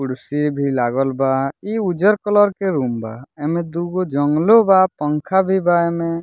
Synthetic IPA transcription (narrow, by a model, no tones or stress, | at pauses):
uɽsiɾbʱilaɡɔlbaiud͡ʒɔɾkɔlɔɾkeɾumbaɛmẽd̪uɡod͡ʒɔŋɡlobapɔŋkʰabʱibaeme